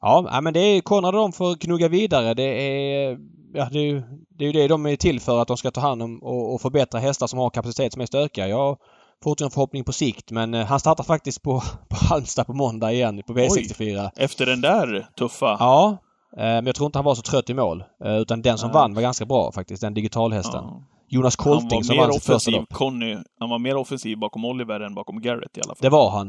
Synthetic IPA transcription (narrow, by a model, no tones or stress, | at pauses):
ʔɑːnæ̰ɪmɛnd̪ɛkʰɔnːɾad̪əd̪ɔmfɔɾkʰnɵɡaviːd̪aɾəd̪ɛæ | jɑːd̪ɛjɵd̪ɛːjɵd̪ɛd̪ɔmɛt̪ʰɪlːfœːɾat̪̚d̪ɔmskat̪ʰɑːɦand̪ɔmɔːfœɾbɛt̪ɾaɦɛst̪aʂɔmhaɾkʰapasɪt̪ʰeːt̪sɔmɛst̪øːkajɑːɡ | fʊɾɛnfœɾhɔpːnɪŋpʰɔsɪkt̪mɛnɦanst̪ɑːɾt̪ːafak̚t̪ɪst̪̚pʰɔpʰɔhalmst̪apʰɔmɔnd̪aɪjɛnːpʰɔveːsɛkst̪ɪfyːɾaɛft̪əɖɛnd̪æɾt̪ʰɵfːaɑː | mɛnjɑɡt̪ʰɾuːɪnt̪əhanvaɾsɔt̪ʰɾœt̪ːɪmo̰ːlʉ̟ːt̪and̪ɛnsɔmvanːvaɾɡanskabɾɑ̰ːfak̚t̪ɪst̪̚d̪ɛnd̪ɪɡɪt̪ʰɑːlɦɛst̪ʰə̰n | juːnaskʰɔlt̪ɪŋsɔmːvanɾst̪fœɾsavkʰɔnːʏhanvaɾmeːɾɔfɛnsiːvbɑːkɔmɔlːɪvæɾɛnbɑːkɔmɡæɾɪ̰t̪ɪa̰ʔa̰fd̪ɛvaɾɦan